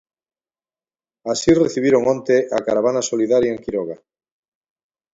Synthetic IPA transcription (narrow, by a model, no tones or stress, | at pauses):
asireθiβ̞iɾoŋõnt̪eʔa̰kaɾaβ̞anasoliðaɾjaeŋkiɾoɣa